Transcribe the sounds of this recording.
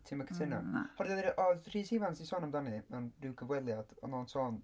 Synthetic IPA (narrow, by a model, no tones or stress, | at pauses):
tʰɪməkʰə̥sʰɪnahɔddɛðɾʔɔr̥iːsivansisɔːnamdanimɛwndɪwɡəvwɛlˠjad̥ɔ̰nɔːnsɔːn